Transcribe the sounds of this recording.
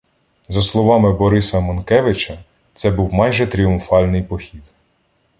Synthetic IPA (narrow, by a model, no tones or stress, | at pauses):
zɐslˠɔʋɑmɪbɔɾɪsɐmɔnkɛʋɪt͡ʃɐ | t̪sɛbuwmɑjʒɛt̪ɾʲiʊmfɑlʲnɪjpɔxʲid̪